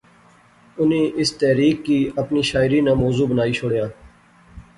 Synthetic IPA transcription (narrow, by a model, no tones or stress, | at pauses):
ʊnẽːʔɪst̪ɛːɾiːkːiːəpniːʃaːɪɾiːnãːmɔːzuːbənaːiːt͡ʃʰʊɽjãː